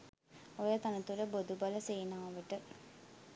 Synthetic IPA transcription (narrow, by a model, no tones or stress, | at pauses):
ojɐt̪ɐnɐt̪ːuɾebod̪ubɐlɐsejnaːʋɐʈːɨ